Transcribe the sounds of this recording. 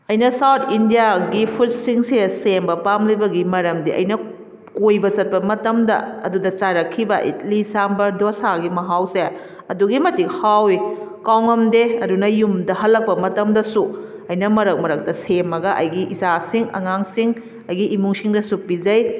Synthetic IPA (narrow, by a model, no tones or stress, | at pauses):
ɐjnɐsawtʰindijaɡipʰut̚siŋsesembɐpamlibɐɡimɐɾɐmdiʔɐ̰jnɐ | kojbɐsɐt̚pɐmɐtɐmdɐ̰ɐ̰dudɐt͡ʃaɾɐkʰːibɐʔḭt̚lisambɐdosaɡimɐɦawse | ɐduɡimɐtik̚hawikawŋɐmdeɐdunɐjumdɐɦɐlːɐk̚pɐmɐtɐmdɐsu | ɐjnɐmɐɾɐk̚mɐɾɐk̚dɐsemːɐɡɐʔɐjɡiʔisasiŋɐ̰ŋaŋsiŋ | ɐjɡiʔimuŋsiŋdɐsupizɐj